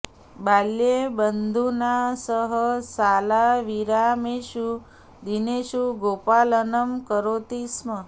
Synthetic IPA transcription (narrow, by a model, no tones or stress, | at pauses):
baljebənd̪ʱunasəɦəsalaʋiɾameʃu | d̪ineʃuɡopalənəmkəɾot̪ismə